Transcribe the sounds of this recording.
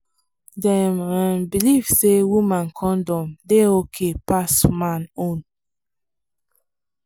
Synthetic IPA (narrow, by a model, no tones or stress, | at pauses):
dɛmãnbiliv̥sewumãnkʰɔ̃ndɔ̃mdeokʰepasmãnõn